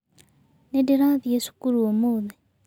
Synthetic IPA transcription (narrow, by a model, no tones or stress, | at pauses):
nediɾaðiesu̥kuɾuomoðe